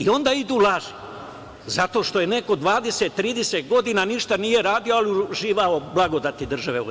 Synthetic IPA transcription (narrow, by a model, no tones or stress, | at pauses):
io̞nd̪aːid̪uːlaʒe | zat̪o̞ʃt̪o̞jene̞ko̞d̪ʋaːd̪eset̪ːɾiːd̪eset̪ɡo̞d̪inaniʃt̪anije̞ɾaːd̪ioaliuʒiːʋaoblˠaɡo̞d̪at̪id̪r̩ʒaʋeo̰